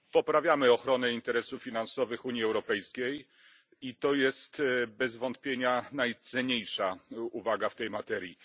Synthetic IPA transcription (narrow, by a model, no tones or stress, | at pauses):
pɔpɾavʲjamɘɔxɾɔnɛint̪ɛɾɛsuffʲinansɔvɘxuɲiɛwɾɔpɛjskʲej | it̪ɔjɛst̪bɛzvɔnt̪pʲjeɲanajt̪sɛɲejʂauvaɡaft̪ɛjmat̪ɛɾʲji